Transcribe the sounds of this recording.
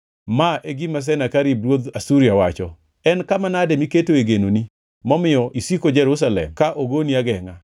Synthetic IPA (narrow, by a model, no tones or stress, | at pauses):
maʔeɡimas̬ɛnakaɾib̚ɾwod̪asuɾiawat͡ʃɔ | ɛnkamanademiketoeɡenoni | mɔmɪjɔʔisikod͡ʒɛɾus̬alɛ̰mkaʔoɡoniaɡɛŋa